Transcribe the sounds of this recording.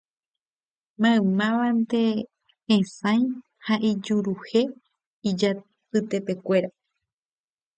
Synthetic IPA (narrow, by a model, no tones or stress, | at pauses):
mãɨ̃mãʋant̪ẽ̞ː | sãj̃ | haʔid͡ʒuɾuhe̞ | id͡ʒa | pɨt̪e̞pe̞kʷe̞ɾa